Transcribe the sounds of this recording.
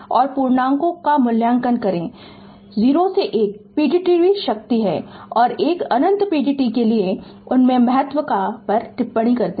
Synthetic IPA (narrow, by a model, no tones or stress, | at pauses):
ɔːɾpuːɾɳãːŋkõkamʊljaːŋkənkɐɾẽː | ziːɾoseʔeːk̚piːɖiʈibiʃɐk̚t̪iɦɛːɔːɾeːkɐnə̃nt̪piːɖiʈikelieʊnmẽmɐɦət̪wəkapɐɾʈɪpːəɽ̃ikɐɾt̪ẽ